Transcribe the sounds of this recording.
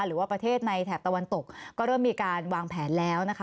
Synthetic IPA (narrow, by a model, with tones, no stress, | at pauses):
ɾɯː˩˦waː˥˩pɾa˧t̪ʰeː˥˩t̪̚na˧jt̪ʰɛː˨˩p̚t̪a˧wa˧nt̪o˨˩k̚kkɔː˥˩ɾɤː˥˩mːiː˧kaː˧nwaː˧ŋpʰɛː˩˦nlɛː˦˥wna˦˥kʰ